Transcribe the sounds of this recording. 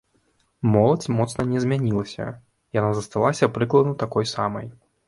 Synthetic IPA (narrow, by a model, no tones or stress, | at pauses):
mɔlˠɐt͡sʲmɔt̪snɐnʲɛzʲmʲanʲilˠɐsʲɐ̰ | janazɐst̪alˠasʲɐpɾɨklˠɐd̪nɐt̪akɔjsamɐ̰j